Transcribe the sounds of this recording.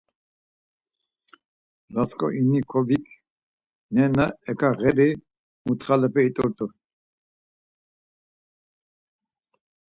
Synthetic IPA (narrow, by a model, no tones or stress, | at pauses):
lat͡skʼɔ̰ʔinikʰɔvik | nɛnəɛkʰaɣɛɾi | mut̪χalɛpʰɛit̪ʼɔɾt̪ʼu